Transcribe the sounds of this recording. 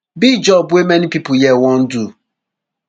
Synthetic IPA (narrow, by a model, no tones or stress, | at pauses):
bid͡ʒɔbʊemenipipʊjɛwɔn̩du